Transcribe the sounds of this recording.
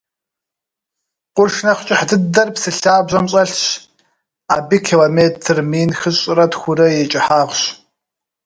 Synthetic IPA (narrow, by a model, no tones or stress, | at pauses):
qʷʊrʃnɐχt͡ʃʼɪħdɨdɐrpsɨɬaːbʑɐmɕʼɐɬɕ | aːbiːkʰiloːmeːtʰɨrmiːnxɨɕʼɪrɐtxʷʊɾɐjɛt͡ʃʼɪħaːʁʷɕ